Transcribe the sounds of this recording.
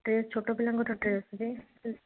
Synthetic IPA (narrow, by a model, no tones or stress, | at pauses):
ʈɾest͡ʃʰoʈobilaŋɡʱɔʈʰoʈɾesd͡ʑe